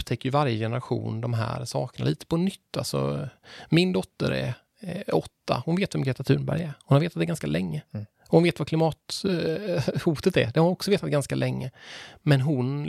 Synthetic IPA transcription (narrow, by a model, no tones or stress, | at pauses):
pt̪ʰɛkːəjʏvaɾjəjɛnəɾaɧṵːnd̪ɔmɦæ̰ːɾsɑ̰ːknaliːt̪ə̥pʰɔnʏt̪ʰːa̰lsɔ̰mɪnd̪ɔt̪ːə̰ɾɛ̰ | ɔt̪ːa̰hʊnveːt̪vɛmɡɾeːt̪at̪ʰʉ̟ːɳbæ̰ɾjɛhʊnaɾveːt̪at̪d̪ɛɡanskalɛŋːə | ɔhʊnveːt̪vaklɪmɑːt̪ | huːt̪ət̪ɛ̰d̪ɛhaɾɔksɔveːt̪at̪ɡanskalɛŋːəmɛnɦʊn